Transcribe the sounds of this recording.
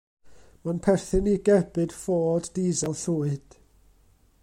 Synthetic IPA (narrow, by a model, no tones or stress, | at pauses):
manpʰɛrθɨniɡɛbɨd̥foːdːizalˠɬuːɨd̥